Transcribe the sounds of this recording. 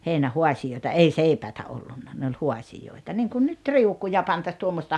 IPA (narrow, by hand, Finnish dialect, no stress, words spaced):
heinæhuɑsijoitɑ ei seipæitæ olːunːɑ ne ol huɑsijoitɑ niŋkun nyt riukujɑ pɑntɑs tuomːostɑ